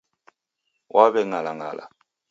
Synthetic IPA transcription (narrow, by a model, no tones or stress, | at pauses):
wʔaβɛŋalaŋa̰la̰